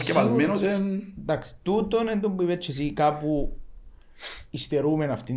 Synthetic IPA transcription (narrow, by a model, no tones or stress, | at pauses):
keβalmenos̬ent̪akst̪ut̪onent̪umbiβet͡ʃes̬ikapu | ist̪eɾumenaft̪i